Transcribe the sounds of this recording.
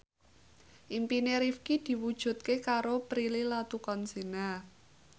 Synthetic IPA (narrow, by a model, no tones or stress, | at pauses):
ʔimpineɾifkid̪̥i̤wud̥ʒ̥ṳt̪̚kekaɾopɾililat̪ukɔnsina